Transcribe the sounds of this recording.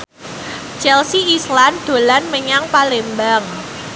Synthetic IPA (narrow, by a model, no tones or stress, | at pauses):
t͡ʃɛlsiisland̪̥o̤lanməɲaŋpalembaŋ